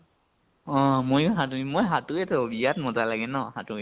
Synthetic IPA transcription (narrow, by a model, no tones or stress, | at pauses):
ɔ̃mojɦatuimojɦatʊɛtʰɔbijatmɔtalaɡɛnɔhatʊɛ